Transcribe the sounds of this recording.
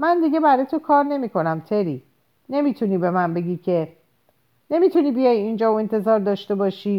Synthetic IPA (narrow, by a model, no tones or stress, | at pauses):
mænd̪iɟe̞bæɾɒjet̪ʰokʰɒːɾne̞mikʰo̞næmt̪ʰe̞ɾiː | ne̞mit̪ʰuniːbe̞mænbe̞ɡiːcʰe̞ | ne̞mit̪ʰuniːbijɒjind͡ʒɒːoe̞nt̪ʰe̞zɒːɾd̪ɒːʃt̪e̞bɒːʃiː